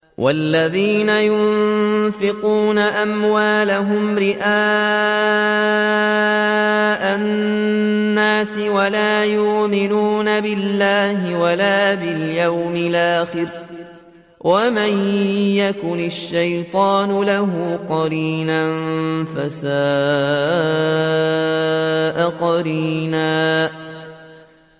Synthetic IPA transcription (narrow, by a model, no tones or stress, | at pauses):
wʔalːaðiːnajʊ | fɪquːnaʔamwaːlaɦʊmɾɪʔaː | ʔa | aːsɪwalaːjʊʔmɪnuːnabɪlːaːhɪwalaːbɪljawmɪlʔaːxɪɾ | wʔamanjakʊnɪʃːajt̪ˤɑːnʊlaɦʊqɑɾiːnanfasaː | ʔaqɑɾiːnaː